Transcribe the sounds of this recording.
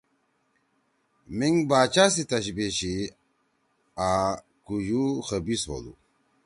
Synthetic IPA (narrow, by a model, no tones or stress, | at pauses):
miŋbaːt͡ʃas̬it̪ɐɕ̬beɕi | a | kujuxəbiso̰lṵ